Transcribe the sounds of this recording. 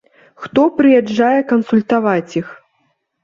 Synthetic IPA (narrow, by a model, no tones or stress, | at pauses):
xt̪ɔpɾɨjɛd͡ʐːajɛkɐnsulʲt̪avat͡sʲix